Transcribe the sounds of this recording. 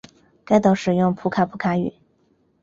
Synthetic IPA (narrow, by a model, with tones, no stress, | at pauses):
ka˥˩ɪt̪ɑ˨˩ʊʂɻ̩˨˩jʊ˥˩ŋpʰu˧˥kʰa˧˩pʰu˧˥kʰa˧˥y̰˨˩˦